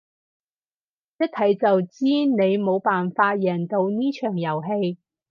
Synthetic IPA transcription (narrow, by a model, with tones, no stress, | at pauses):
jɐ˥t̚t̪ʰɐ˨˥jt͡sɐ˨wt͡siː˥ne˨˧jmo˨˧wpaː˨nfaː˧t̚jɛː˨˩nt̪o˧wniː˥t͡ʃʰœː˨˩ŋjɐ˨˩wɦe˧j